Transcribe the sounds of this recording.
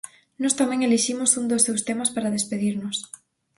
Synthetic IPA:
nɔst̪amɛ̃ŋeliʃimosund̪osːewst̪emaspaɾaðespeðiɾnos

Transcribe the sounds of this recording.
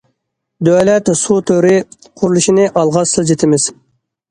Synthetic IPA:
d̪øwlɛt̪sut̪ʰøɾɪ | qʰʊɾulˠuʃinɨʔɑlˠʁɑsɨlˠd͡ʒet̪ʰɪmɪz̥

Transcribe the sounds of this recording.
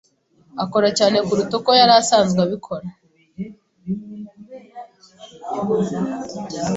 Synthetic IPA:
ako̞ɾacaːne̞kuɾutoko̞jaɾasaːnzɡwaβikʰo̞ɾa

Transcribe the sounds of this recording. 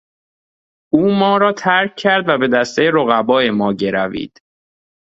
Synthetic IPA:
uːmɒːɾɒːt̪ʰæɾcʰːæɾd̪væbe̞d̪æst̪ejeɾoɣæbɒːjemɒːɟe̞ɾævḭːd̪̥

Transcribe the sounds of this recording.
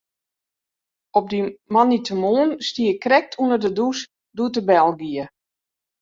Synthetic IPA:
ɔp̚dimanitʰəmoːnstiəkrɛk̚tʰunərdədus | duətəbɛlˠɡiə

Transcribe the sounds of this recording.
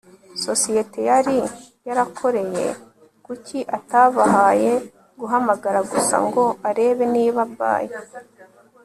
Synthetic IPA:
so̞sije̞te̞jaɾi | jaɾakʰo̞ɾe̞je̞̰ | kuciʔataβaɦaje̞ | ɡuɦamaɡaɾaɡusa̰ŋɡo̞aɾe̞ːβe̞niːβabɡa̰ːje

